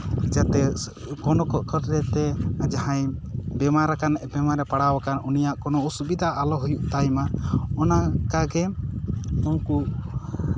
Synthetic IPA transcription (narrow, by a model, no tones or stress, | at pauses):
d͡ʒat̪ɛ | kɔnɔkɔkɔɾɾɛt̪ɛad͡ʒahãjbɛmaɾakanʔbɛmaɾɛpaɽawakanunijaʔkɔnɔusubid̪ʱaʔːlɔɦujuʔt̪ajmaɔnakaɡɛ | ɔnku